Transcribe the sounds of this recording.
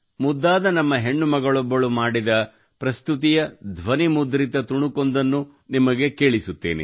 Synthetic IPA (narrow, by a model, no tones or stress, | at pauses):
mud̪ːaːd̪ɐnɐmːɐɦe̞ɳːumɐɡɐɭɔbːɐɭumaːɽid̪ɐ | pɾɐst̪ut̪̬ijɐd̪ʱʋɐnimud̪ɾit̪ɐt̪uɳukond̪ɐnːu | nimɐɡe̞ke̞ːɭisut̪ːe̞̰ːnḛ